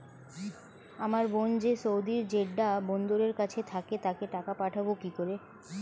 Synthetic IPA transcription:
amaɾbond͡ʑeʃowd̪iɾd͡ʑeɖɖabɔnd̪oɾeɾkat͡ɕʰet̪ʰaket̪akeʈakapaʈʰabokikoɾe

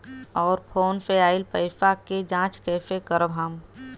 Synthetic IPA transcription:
ɔːɾpʰoːnseaːɪlpəɪfaked͡ʒãːt͡ʃkɛːfekəɾbʱaːm

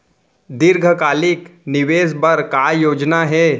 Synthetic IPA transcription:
d̪ɪɾɡʱəkaːlɪknɪʋeːsbɐɾkaːjoːd͡ʒnaɦɛː

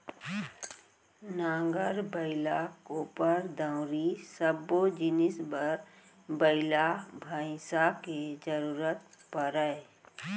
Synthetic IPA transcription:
nãːŋɡəɾbəɪlakoːpəɾd̪ãʊ̃ɾisəbod͡ʒɪnɪsbəɾ | bəɪlabʱaːɪ̃saked͡ʒəɾuːɾət̪̚pəɾəe

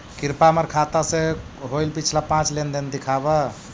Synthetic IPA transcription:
kiɾpameɾkʰat̪asẽ | ɦojlpit͡ʃʰlapãt͡ʃlend̪ind̪ikʰabə

